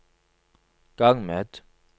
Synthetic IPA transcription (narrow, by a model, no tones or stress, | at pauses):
kaŋmɛt